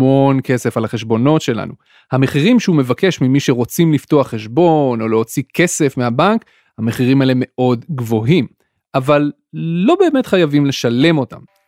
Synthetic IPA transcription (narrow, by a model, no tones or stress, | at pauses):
onke̞se̞falaχe̞ʃbo̞no̞tʃe̞la̰nu | hame̞χiʁimʃeume̞vake̞ʃmimiʃeʁo̞t͡simlifto̞aχːeʃbo̞no̞leo̞t͡sike̞se̞fmeabaŋk | hame̞χiʁimaeleme̞ʔo̞dɡvo̞ɦim | ʔavalː | o̞be̞ːme̞tχajavimle̞ʃale̞mo̞ta̰m